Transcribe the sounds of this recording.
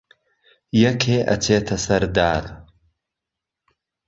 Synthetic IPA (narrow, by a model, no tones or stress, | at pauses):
jɐkʰeːʔɐ̰t͡sʰeːt̪ʰɐsɐɾd̪aːɾ